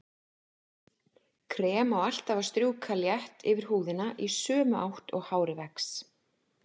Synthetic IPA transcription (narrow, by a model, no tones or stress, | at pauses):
kʰɾɛːmaɔal̥t̪avaɾ̥st̪ɾjuːkʰaljɛht̪ɪvɪɾ̥huːðɪnaʔisœːmʏʔawht̪ɔ̰ɣhaːwɾɪvɛks